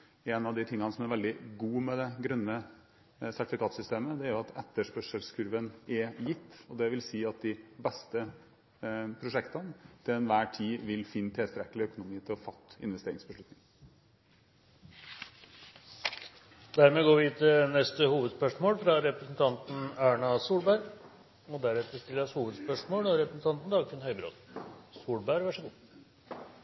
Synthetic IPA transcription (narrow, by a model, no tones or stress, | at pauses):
ɛnɑʋd̪ɪt̪ʰɪŋːɑnəsɔmæɾʋɛld̪ɪɡuːmɛd̪ɛɡɾœnːə | sæʈɪfɪkʰɑːt̪sʏst̪eːməd̪ɛæɾʊɑt̪ʰɛt̪ːəʂpœʂəlskʰʉɾʋənɛjɪt̪ːɔd̪ɛʋɪlsiːɑt̪̚d̪ɪbɛst̪ə | pʰɾʊʂɛkt̪ənt̪ʰɪlɛnʋæːʈʰiːʋɪlfɪnːt̪ʰɛst̪ɾɛkːəlɪœkʊnʊmiːt̪ʰɪlɔfɑt̪ːɪ̰nʋɛst̪eːɾɪŋsbəʂlʉt̪nɪŋ | d̪æɾmeːɡoːʋɪt̪ʰɪnɛst̪əhuːʋəd̪spœʂmoːlfɾɑɾɛpɾɛsn̩t̪ʰɑnt̪n̩æːɳɑsuːlbæɾ | ɔd̪æɾɛt̪əst̪ɪlːəɾɑshuːʋəd̪spœʂmoːlɔɾɛpɾəsn̩t̪ʰɑnt̪n̩d̪ɑːɡt̪ənhœʏbɾo̰ːd̪suːɭbæɾʋæʂəɡuː